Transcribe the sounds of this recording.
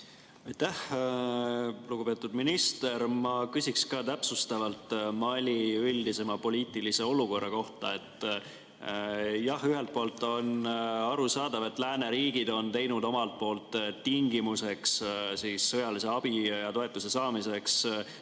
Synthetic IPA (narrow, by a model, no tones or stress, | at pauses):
ɑjt̪ːæh | luɡ̥upe̞t̪ːˑud̪̥minist̪e̞ɾmɑkysikskɑːt̪æpsust̪ɑvɑlt̪mɑlʲiylʲd̪̥ise̞mɑpo̞liːt̪ˑilise̞o̞luko̞rːɑko̞ht̪ɑ̰e̞t̪ːˑ | jɑhyɦe̞lt̪̚po̞ːlt̪ːˑo̞nɑɾusɑːd̪ɑve̞t̪ːˑlæːne̞ɾiːɡ̥id̪̥o̞nt̪e̞jnud̪o̞mɑlt̪̚po̞ːlt̪ːiŋɡimuse̞kssiːsːɤjɑlise̞ɑb̥ijɑt̪o̞e̞t̪ːˑuse̞sɑːmise̞ks